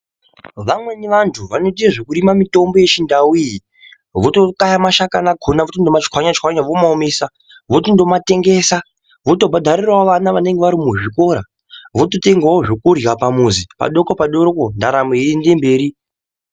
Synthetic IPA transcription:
ʋamwe̞niʋantʰuʋanot̬ieʐekuɾimamito̞mbo̞jet͡ʃindawiji | ʋoto̞kajamaʃakanaɡʱonaʋotondomat͡ʃkʷwaɲat͡ʃwaɲaʋomaomesa | ʋotondo̞mate̞ŋɡe̞sa | ʋotobʱadʱaɾirwaoʋanaʋane̞ŋɡe̞ʋaɾimuʐiko̞ɾa | ʋotote̞ŋɡaoʐokurjapamuzipa̰ɗo̞kopaɗoɾokondaɾameendembe̞ːɾi

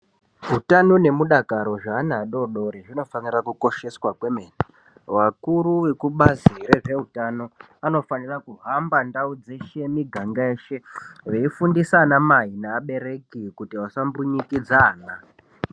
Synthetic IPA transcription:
ɦutanone̞muɗakaɾo̞ʐaːnaɗo̞ɗo̞ɾeʐino̞fanirakuko̞ʃe̞swakwe̞meːne | ʋakuɾuwe̞kuɓaziɾeʐe̞ɦutano̞ | ano̞fanirakuɦambandaud͡ze̞ʃe̞miɡʱaŋɡaeːʃe̞ʋe̞ifundisanamaɦinaːɓe̞ɾe̞kikutiʋasambuɲikid͡zaːna

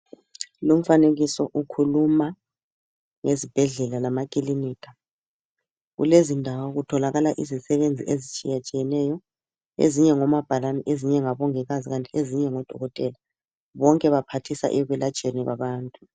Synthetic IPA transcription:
lom̩faneɣisɔʔukʰuluma | ŋezib̥ʱɛɮɛlalamakʼiliniːkʰʼa | ɣṵlezindʱawɔɣutʰɔlaɣalaʔizisɛβend͡zʱḭʔezit͡ʃʼḭjat͡ʃʼijɛnɛjɔ | ḛziɲɛŋɔmab̥ʱalanɛʔeziɲɛŋaβɔŋɛɣaziɣantʼieziɲɛŋɔd̥ʱɔɣɔtʼɛla | βɔŋkʼɛβapʰatʰisa̰ʔɛɣwɛlat͡ʃʼeniɣwa̰βaːntʼu̥

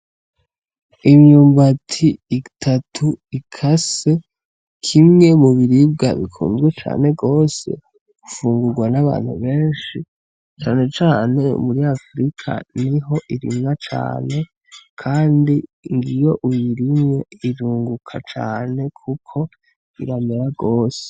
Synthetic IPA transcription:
imɲuːmbatʰiːtʰatʰuikʰase̞ | kʰimŋe̞muβiɾib̚ɡa̰βḭkʰṵːnzɡwet͡ʃa̰ːne̞ɡo̞ːse̞̰ | ɡ̥ufuːŋɡuɾɡwanaβa̰ːn̥hṵβe̞ːnʃi | t͡ʃaːne̞t͡ʃaːne̞̰muɾiafɾikʰa̰niɦo̞ʔiɾḭmɲat͡ʃa̰ːne̞ | kʰaːndiŋɡijo̞ʔujiɾimɲe̞iɾuːŋɡukʰa̰t͡ʃaːne̞kʰukʰo̞ | iɾameɾaɡoːse̥

